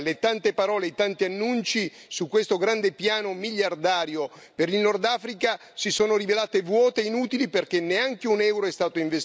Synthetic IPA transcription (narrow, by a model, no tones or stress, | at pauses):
let̪ant̪epaɾɔːlet̪ant̪ianːunt͡ʃisukːwest̪oɡɾand̪epjaːnomiʎːard̪aːɾjo | peɾilnord̪aːfɾika | sisoːnoɾivelaːt̪evwɔːt̪einuːt̪iliperk̟enːeaŋkeunɛwɾoɛst̪aːt̪oiɱves